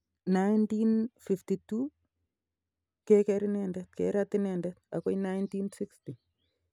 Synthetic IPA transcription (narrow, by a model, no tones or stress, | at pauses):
najntinfiftitu | kɛkɛɾɪnɛndɛt̚kɛ̰ɾatɪnɛndɛt̚a̰kɔjnajntinsiksti